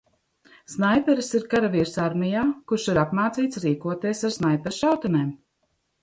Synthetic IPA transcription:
snajpʲɛɾsiɾkaɾaviɾsaɾmijaːkuɾʃiɾapmaːt̪siːt̪sɾiːkuɔt̪iɛsaɾsnajpʲɛɾsʃawt̪aneːm

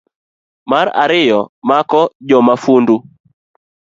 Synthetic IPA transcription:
maɾa̰ɾɪjɔmakɔd͡ʒɔmafundu

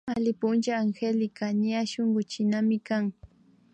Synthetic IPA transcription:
alɪpʊnt͡ʃaːŋxelɪkaɲaʃoŋɢʊt͡ʃɪnamɪkaŋ

